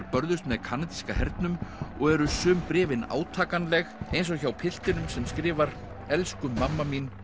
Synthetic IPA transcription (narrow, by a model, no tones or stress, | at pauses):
ɾpœɾðʏst̪mɛðkʰaːnat̪i̥skahɛɾt̪nʏmɔɣɛɾʏsʏːmpɾɪːvɪna̰ːwt̪ʰaːkanlɛɣejnsɔçawpʰɪl̥t̪ɪnʏmsɛmskɾɪːvaɾ | ɛlskʏːamːamin